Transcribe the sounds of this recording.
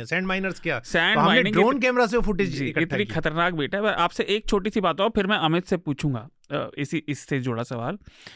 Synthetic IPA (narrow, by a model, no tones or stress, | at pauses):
sɛ̃ːɳɖmaːɪnəɾskjaːsɛ̃ːɳɖɦmaːɪnɪ̃ŋɡɾoːnkɛːmɾas̬eofʊʈɪd͡ʒd͡ʒiːkɪt̪ːnixʰɐt̪əɾnaːk̚beːʈʰaɦɛʋɛʔaːpseʔeːk̚t͡ʃʰoːʈ̬isibaːt̪ɦapʰɪɾmɛ̃ʔɐmɪt̪sepuːt͡ʃʰũːŋɡa̰ː | ɪsiɪsːed͡ʒʊɽasɐʋa̰ːl